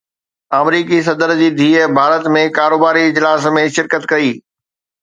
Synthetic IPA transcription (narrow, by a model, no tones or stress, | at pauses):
aːmɾiːkis̬ɐd̪əɾd͡ʑiːd̪ʱiːəbʱaːɾət̪mẽkaːɾoːbaːɾiɪd͡ʑlaːsmẽʃɪɾkət̪kɐiː